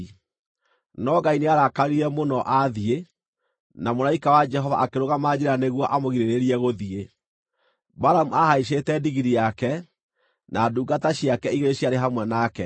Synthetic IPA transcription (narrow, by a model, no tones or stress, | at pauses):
nɔɡaineaɾakaɾiɾɛmonɔʔaðie | namolaikawad͡ʒɛɦɔva̰ʔakeɾoɣamad͡ʑeɾaneɣwɔʔamoɣiɾeɾeɾiɛɣoðie | baɾamuahaiʃ̬etɛdiɣiɾijakɛ | naduːɡataɕiakɛiɣeɾeɕiaɾeɦamwɛnakɛ